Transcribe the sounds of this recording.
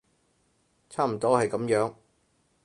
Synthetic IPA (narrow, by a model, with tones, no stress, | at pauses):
t͡sʰaː˥˩m̩˨˩t̪ɔː˥hɐ˨jkɐ˨˥mjœː˨˥ŋ